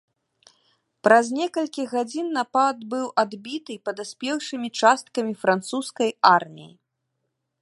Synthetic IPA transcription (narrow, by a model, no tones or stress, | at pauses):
pɾɐzʲnʲɛkɐlʲkʲiɣad͡zʲinːapad̪bɨwʔad̪bʲit̪ɨpɐd̪asʲpʲɛwʂɨmʲit͡ʂast̪̚kɐmʲifɾant̪suskɐjarmʲḭjḭ